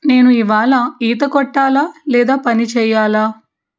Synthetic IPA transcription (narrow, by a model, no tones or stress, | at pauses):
ne̞ːnuiʋaːɭɐiːt̪̬ɐkɔʈːaːlaːlɛːd̪aːpɐnit͡ʃɛːjːaːlaː